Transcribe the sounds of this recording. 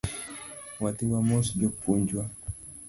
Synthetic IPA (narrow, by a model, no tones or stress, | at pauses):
watiwamɔsd͡ʒɔpuɲd͡ʒwa